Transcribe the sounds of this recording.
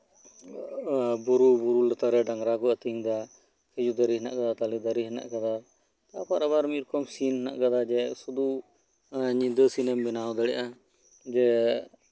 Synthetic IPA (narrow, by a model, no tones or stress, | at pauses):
buɾubuɾulət̪aɾɛɖaŋɾakɔət̪iŋd̪a | kʰɛd͡ʒud̪aɾiɦɛna̰ʔkad̪at̪alid̪əɾiɦɛna̰ʔkad̪a | t̪apaɾaβaɾmiɾɔkɔmsinɦɛna̰ʔkad̪ad͡ʒɛsud̪u | ɲid̪əsinɛmbɛnaɔd̪ɛɽɛʔa | d͡ʒɛ